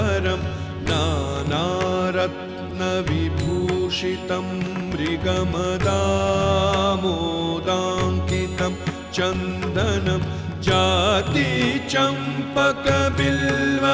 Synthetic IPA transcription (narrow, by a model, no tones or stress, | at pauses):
ɐɾɐm | naːnaːɾɐt̪ | nɐʋibʱuːʂit̪ɐmɾiɡɐmɐd̪aː | moːd̪aːŋkit̪ɐm | t͡ʃɐnd̪ʱɐnɐm | d͡ʒaːt̪it͡ʃɐmpɐkɐbilʋɐ